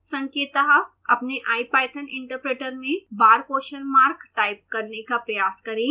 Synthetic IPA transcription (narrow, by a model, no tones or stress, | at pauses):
sɐ̃ŋkeːt̪ɐɦ | ɐ̰pneʔaːipaːɪt̪ʰənɪ̰̃ɳʈəɾpɾeːʈəɾmẽbaːɾkoːʃəlmaːɾkʈaːɪp̚kːɐɾnekapɾɐjaːskɐɾẽː